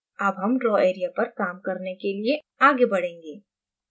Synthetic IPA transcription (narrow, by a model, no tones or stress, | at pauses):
ɐbɦɐmɖɾɔːeːɾijapɐɾkaːmkɐɾnekelie | aːɡebɐɽẽːŋɡeː